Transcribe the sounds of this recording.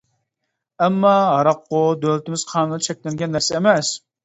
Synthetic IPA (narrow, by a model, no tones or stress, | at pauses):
ɛmːɑɦɑɾɑqːʊd̪ølt̪ɪmɪz̥qʰɑːnd̪t͡ʃʰɛk̚ʲlɛŋɡʲɛnːɛɾsɪmɛs